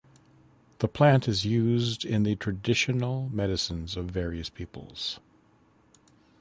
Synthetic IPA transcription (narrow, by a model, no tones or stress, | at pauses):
ðəpʰl̥æ̃ntɨzjʉzdɪ̃nðɨtʰɹ̥ɨdɪʃɨnl̩ˠmɛɾɨsɨ̃nzʌvɛɹiɨspʰipl̩ˠz̥